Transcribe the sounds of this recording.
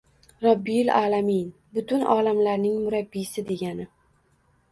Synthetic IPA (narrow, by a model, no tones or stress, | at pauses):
ɾɑbːijla̰ːlamin | bʊt̪ʊnɒːlamlaɾnɪŋmʊɾabːisɪd̪e̞ɡʲanɪ